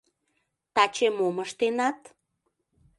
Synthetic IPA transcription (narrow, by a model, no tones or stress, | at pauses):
t̪ɑt͡ɕemoməʃt̪enɑt̪